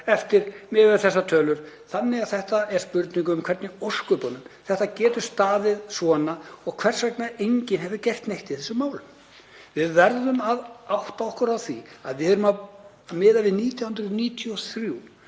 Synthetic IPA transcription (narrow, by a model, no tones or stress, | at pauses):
ɛft̪ɪɾmɛvɛɾθɛs̬ːat̪ʰœːlʏɾ̥ | θanːɪaðθɛht̪aɛɾ̥spʏɾt̪niŋk̬ʏːmkʰvɛɾt̪nɪoskʏpɔnʏmθɛht̪acɛːt̪ʏ̥st̪aːðɪðsvɔːnaɔɣkʰv̥ɛr̥svɛknaʔejɲcɪnɦɛvðɪcɛr̥t̪nejht̪ɪðθɛsʏmːaːwlʏm | vɪðvɛɾðʏmaðawht̪aɔhkʏɾawθia̰ðvɪɾʏma | mɪːðavɪðniːt̪ʰjawhʏnt̪ɾʏniːt̪ʰiɔθɾju